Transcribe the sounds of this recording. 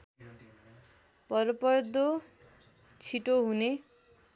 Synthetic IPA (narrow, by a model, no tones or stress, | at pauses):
pʌɾopʌɾd̪ʱo | t͡sʰiʈoɦune